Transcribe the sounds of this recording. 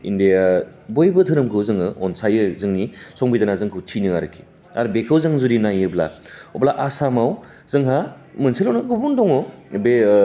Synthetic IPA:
ḭndija | bojbɯtʰɯɾɯmkʰɯzɯŋɯʔɔnsajɯzɯŋnisɔŋbidanazɯŋkʰɯwtʰinɯa̰ɾɯkʰi̥ | aɾbekʰɯwzɯŋzuɾinajɯbla̰oblaʔasamaw | zɯŋɦa | mɯnsilawnaɡubundɔŋɔbe

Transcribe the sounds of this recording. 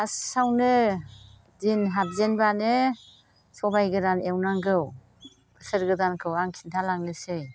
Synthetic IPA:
asawnɯ | dinɦat̚zenbanɯ | sɔbajɡɯɾanewnaŋɡɯw | bʰɯsɯɾɡɯdankʰɯwaŋkʰintʰalaŋnɯsɯj

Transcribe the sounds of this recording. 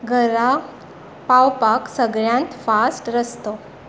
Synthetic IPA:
ɡʱəɾa | pawpaksəɡɭjãnt̪fasʈɾəst̪o

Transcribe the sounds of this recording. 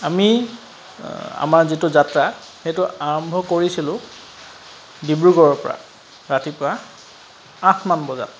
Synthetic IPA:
ami | a̰maɹzitʊzatɹa | xejtʊaɹɔmbʱɔkoɹisilʊ̃ | dibɹuɡɔɹɔpɔɹa̰ | ɹatipʊɹa | ãtʰmanbɔza̰t

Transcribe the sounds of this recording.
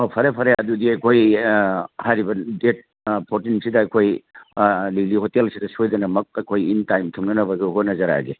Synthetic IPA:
opʰɐɾepʰɐɾejaɐdudiɐjkʰoj | hajɾibɐdet̚ | pʰoɾtinsidɐɐjkʰoj | lilihotelsidɐsojdɐnɐmɐk̚ɐjkʰojintajmtʰuŋnɐnɐbɐɡeɦotnɐzɐɾa̰jɡe

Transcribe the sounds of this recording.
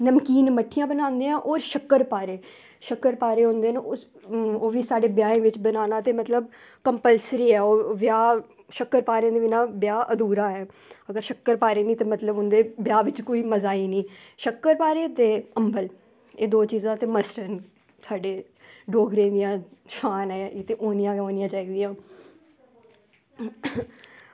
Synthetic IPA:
nəmkiːnməʈʰːijãːbənãːnd̪eːãːʔoːɾʃəkːəɾpaːɾeː | ʃəkəɾpaːɾeːɦõːnd̪eːn | oːʋiːsaːɖeːbjaːẽːʋɪt͡ʃbənaːnaːt̪eːmət̪ləb̚ | kəmpəlsɾiːɛːoːʋjaː | ʃəkːəɾpaːɾẽːd̪eːʋɪnãːbjaːʔəd̪uːɾaːɛː | əɡəɾʃəkːəɾpaːɾeːnĩːt̪eːmət̪ləbʊnd̪eːbɪjaːʋɪt͡ʃkoːiːməzaːiːnĩːʃəkːəɾpaːɾeːt̪eːəmbəl | eːd̪oːt͡ʃiːzãːt̪eːməsʈəɾn | sʰaːɖeː | ɖoːɡʱɾẽːd̪ɪjãːʃaːnɛːt̪eːʔoːnɪjãːoːnɪjãːt͡ʃaːiːd̪ɪjãː

